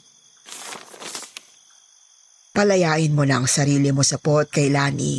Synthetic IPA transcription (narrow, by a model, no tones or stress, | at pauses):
pɐlɐjaːʔɪnmonɐŋsɐɾiːlɪmo̞sɐpot̪̚kɐjlaːnʔḭ